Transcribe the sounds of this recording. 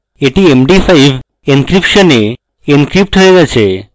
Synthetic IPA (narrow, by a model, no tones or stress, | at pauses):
eʈiemɖifajiʋ | inkɾipʃəne | inkɾip̚ʈʰəeʋat͡ʃʰe